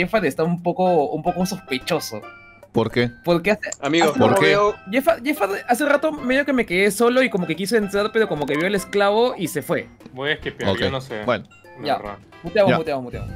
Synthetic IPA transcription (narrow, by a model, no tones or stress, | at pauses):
efaðest̪aβumpo̞koumpo̞koso̞spe̞t͡ʃo̞so̞̰ | poɾkepo̞ɾkeaseamiɣopoɾeoʝefaʝefaðas̬erat̪o̞meðjo̞ke̞me̞keðe̞so̞lo̞iko̞mo̞ke̞kis̬eent̪ɾaɾpe̞ɾo̞ko̞mo̞ke̞βjo̞elesklaβo̞ʔise̞fwe̞ | bojeskepjo̰kejnosebwḛno | aa̰ | but̪jaβaput̪jamomut̪ja̰βo